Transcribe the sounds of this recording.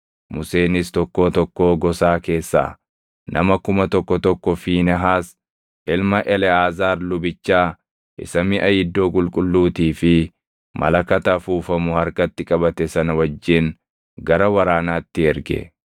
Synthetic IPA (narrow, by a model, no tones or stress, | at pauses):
mʊse̞ːnɪst̪ɔkːo̞ːt̪ɔkːo̞ːɡɔsaːke̞ːsːa̰ː | nʔɐ̰mɐkʊmɐt̪ɔkːɔt̪ɔkːɔfiːnɛɦaːs | ʔɪlmɐʔɛlɛaːzaːɾlʊbɪt͡ʃːaː | ʔɪ̰sɐmɪʔɐjɪd̪ːo̞ːkʼʊlkʼʊlːuːt̪iːfɪ | mʔɐ̰lɐkɐt̪ɐfuːfɐmʊhɐɾkɐt̪ːɪkʼɐbɐt̪ɛsɐnɐwɐd͡ʒːɪn | ɡɐɾɐwɐɾaːnaːt̪ːɪɛɾɡɛ̰